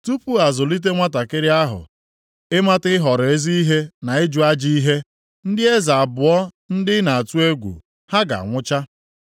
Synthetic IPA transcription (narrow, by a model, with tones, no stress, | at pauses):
tu˦pu˦a˨zʊ˨li˦t̬e˦ŋʷa˦ta˨kɪ˦ɾɪ˦a˦ɦʊ̰˨ | ɪ˦ma˦tɪ˦ɦɔ˨ɾe˦zi˦i˦ɦe˦na˨ɪ˦d͡ʒʊ˨a˦d͡ʒi˦i˦ɦe˦ | n̩˦dɪ˦e˦za˨a˨bʊ˨ɔ˦ | n̩˦dɪ˦na˨a˨tu˦e˦ɡʷṵ˨ | ha˦ɡa̰˨a̰˨ŋʷʊ˦t͡ʃa˦